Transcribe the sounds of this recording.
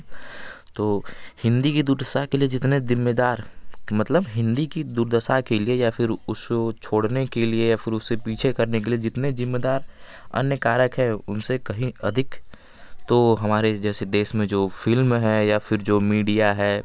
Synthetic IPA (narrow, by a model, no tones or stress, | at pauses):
t̪oːhɪ̃nd̪ikid̪uɾd̪əsakelied͡ʒɪt̪nezɪmːed̪aːɾmɐt̪ləbɦɪ̃nd̪ikid̪ʊɾd̪əsakeliejafʰɪɾʊskot͡ʃʰoːɽnekeliejafʰɪɾʊsːepiːt͡ʃʰekɐɾnekelied͡ʒɪt̪nezɪmːed̪aːɾ | ɐ̰njəkaːɾəkɦɛːʊnsekɐɦĩɐd̪ʱɪk | t̪oɦɐmaːɾed͡ʒɛːsed̪eːʃmẽd͡ʒoːfɪlmɦɛːjafɪɾd͡ʒoːmiːɖijaɦɛː